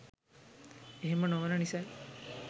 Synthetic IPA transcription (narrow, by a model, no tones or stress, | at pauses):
eɦemənoʋənənisaj